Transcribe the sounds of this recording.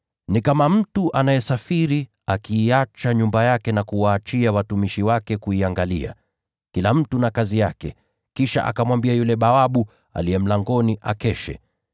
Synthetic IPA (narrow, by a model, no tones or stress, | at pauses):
nikamam̩tuʔanajɛsafiɾi | akiːat͡ʃaɲumbajakɛnakuwaːt͡ʃiawatumiʃiwakɛkuiaŋɡalia̰ | kilam̩tunakazijakɛ̰ | kiʃa̰ʔa̰kamwambiajulɛɓaaɓu | a̰liɛm̩laŋɡɔniʔa̰kɛʃɛ̰